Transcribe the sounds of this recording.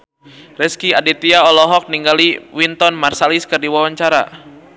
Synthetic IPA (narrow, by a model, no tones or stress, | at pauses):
rɛskiadit̪iaɔlɔɦɔk̚niŋɡaliwint̪ɔnmarsaliskɨrdiwawaɲt͡ʃaɾa̰